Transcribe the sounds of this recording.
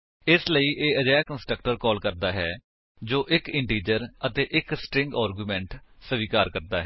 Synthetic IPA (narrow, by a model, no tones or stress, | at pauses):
ɪsləiːʔeːəd͡ʒaːakənsʈɾək̚ʈəɾkɔːlkəɾd̪aːɦɛː | d͡ʒoːʔɪkɪɳʈiːd͡ʒəɾət̪eːʔɪksʈɾɪ̃ŋɡaːɾɡjuːmɛ̃ːɳʈsəʋiːkaːɾkəɾd̪aːɦɛː